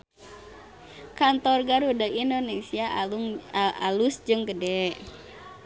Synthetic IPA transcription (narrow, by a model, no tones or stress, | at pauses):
kant̪ɔrɡaɾudaindonesia | ʔalusd͡ʒɨŋɡədɛʔ